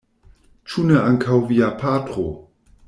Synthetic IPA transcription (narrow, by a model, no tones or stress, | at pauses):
t͡ʃuneaŋkʰawviapʰaːtʁo